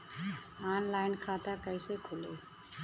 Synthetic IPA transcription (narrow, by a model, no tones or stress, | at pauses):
aːnlaːɪnkʰat̪akəɪsekʰʊleː